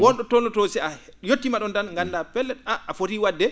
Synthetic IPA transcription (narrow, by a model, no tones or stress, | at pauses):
wɔnɗɔtɔlɔtosɛajotːimaɗɔndanŋɡandapɛlːɛɗaʔafotiwadːɛ